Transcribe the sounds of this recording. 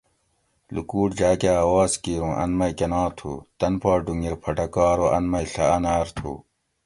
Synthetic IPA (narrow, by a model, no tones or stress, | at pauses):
lṵkuːʈd͡ʑaːkeɐːwaːskiːɾũːʔɐ̰nmɐjkɐnãːt̪ʰṵːt̪ɐnpaːɖuŋɡiɾpʰɐʈɐkaːɾoʔɐnmɐjɬɐɐnaːɾt̪ʰṵː